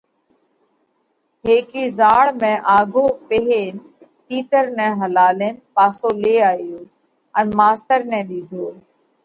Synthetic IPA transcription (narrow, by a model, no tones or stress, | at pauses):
ɦeːkiːzaːɭmẽːʔaːɡʱoːpeɦeːn | t̪iːt̪əɾnɛ̃ːɦəlaːleːnpaːsoːleːaːijoː | ənmaːst̪əɾnɛ̃ːɗ̪iːd̪ʱoː